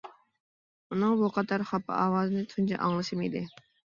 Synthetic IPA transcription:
unɨŋbuqʰɑd̪ɑɾχɑpʰːɑ̰ʔɑːwɑːzɨnɨt̪ʰunt͡ʃʰɑ̰ʔɑ̰ŋlˠɨʃɨmḭd̪ɪ

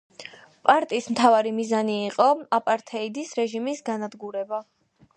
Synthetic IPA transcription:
pʼaɾt̪ʼiːsmt̪ʰavaɾimizaniːqʼɔapʼaɾt̪ʰɛid̪isɾɛʒimisɡanad̪ɡuɾɛba

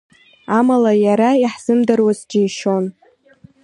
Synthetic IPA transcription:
amalajaɾaiħz̥ɨmdarwazd͡ʒijʃo̞n

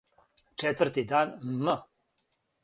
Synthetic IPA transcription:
t͡ʂɛt̪vəɾt̪id̪aːnmə

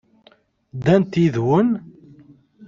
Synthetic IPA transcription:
d̪ænt̪iðwən

